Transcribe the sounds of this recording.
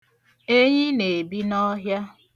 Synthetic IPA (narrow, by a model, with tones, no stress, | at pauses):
e˦ɲɪ˦ne˨bi˦nɔ˦ɦja˦